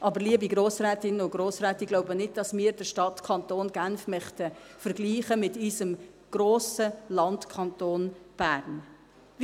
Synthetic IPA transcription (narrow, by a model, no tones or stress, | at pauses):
ʔɑbəɾliəbiɡɾoːsrɛːtɪnəʊɡ̥ɾoːsrɛːtɪɡ̥loʊbənɪt̚d̥ɑsmiːəɾdəʃtɑtkʰɑntoːnɡ̥ænfmœχtəfəɾɡliːχəmɪtisəm | ɡ̥roːsəlɑntkʰɑntoːnb̥æːɾn